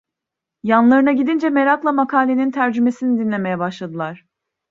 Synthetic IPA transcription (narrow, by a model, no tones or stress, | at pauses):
janlˠaɾɯnaɟid̪ind͡ʒɛme̞ɾaklˠamakʰaːlʲenint̪ʰæɾd͡ʒyme̞sinid̪inlʲe̞mejɛbaʃlˠad̪ɯlˠaɾ̥